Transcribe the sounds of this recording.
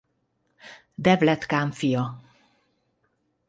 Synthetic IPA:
d̪ɛvlɛt̪kaːɱfijɒ

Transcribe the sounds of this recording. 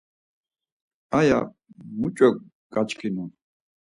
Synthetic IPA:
aja̰ | mut͡ʃʼɛ | ɡ̥at͡ʃkʰinun

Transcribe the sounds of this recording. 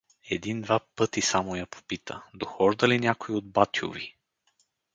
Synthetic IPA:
ɛd̪ind̪vapɤt̪isamojapo̥pit̪ʰə̰d̪oxɔʒd̪əlinʲjakoiod̪̚bat̪jo̰vḭ

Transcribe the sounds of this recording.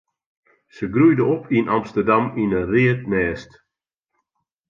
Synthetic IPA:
səɡrujdəɔpʰinʔɑmstərdaminəriətmɛːst

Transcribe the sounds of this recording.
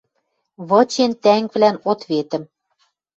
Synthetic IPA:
βɤ̆t͡ɕent̪æŋβlænot̪βet̪ə̆m

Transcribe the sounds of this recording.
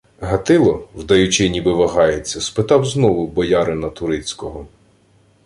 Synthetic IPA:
ɦɐt̪ɪlˠɔwd̪ɐjut͡ʃɪnʲibɪʋɐɦɑjet͡sʲːɐspɪt̪ɑwznɔʋʊbɔjɑɾɪnɐt̪ʊɾɪt͡sʲkɔɦɔ

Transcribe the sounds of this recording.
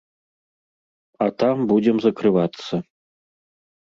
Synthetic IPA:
ɐt̪ambud͡zʲɛmzɐkɾɨvat̪sːɐ

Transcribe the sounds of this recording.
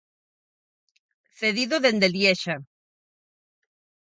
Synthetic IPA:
θeðiðoðend̪eljeʃa

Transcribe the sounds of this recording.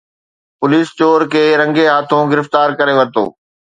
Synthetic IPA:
pʊliːst͡ɕoːɾkeːɾɐ̃ŋɡeɦaːt̪ʰõɡɪɾɪft̪aːɾkɐɾeʋɐɾt̪o̰ː

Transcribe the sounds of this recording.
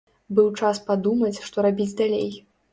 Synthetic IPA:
bɨwt͡ʂaspad̪umɐt͡sʲʂt̪ɔɾabʲid͡zʲd̪alʲḛj

